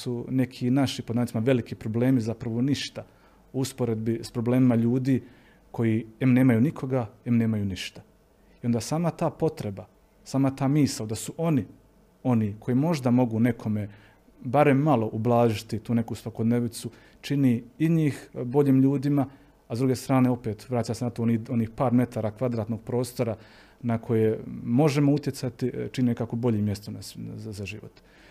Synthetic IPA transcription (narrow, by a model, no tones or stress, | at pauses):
sune̞kʰinaʃipod̪ant̪imaʋe̞likipɾo̞ble̞ːmizapɾaʋo̞niʃt̪a | ouspoɾe̞d̪bispɾo̞ble̞ːmimaʎuːd̪iː | ko̞jiːemne̞ːmajunikʰo̞ɡaemne̞ːmajuːniʃt̪ḁ | ijo̞nd̪asaːmat̪aːpo̞t̪ɾe̞ba | saːmat̪aːmiːsad̪asuʔo̞ni | o̞niːkʰo̞jimo̞ʒd̪amo̞ɡune̞kʰo̞me | baɾe̞mːalˠo̞ʔublˠaːʒit̪it̪uːne̞kusʋakod̪neʋit̪su | t͡ʃiniːiɲiːxbo̞ʎiːmʎuːd̪ima | azd̪ɾuɡe̞st̪ɾaːne̞o̞pe̞ːt̪ʋɾaːt͡ɕamsenat̪o̞onio̞niːxpaːɾmje̞t̪aɾakʋad̪ɾaːt̪no̞ɡ̚pɾo̞ːst̪o̞ɾa | nakʰo̞jemo̞ʒe̞mo̞ut̪jet̪sat̪it͡ʃiniekakobo̞ʎimje̞st̪onasazaʒḭʋo̰t̪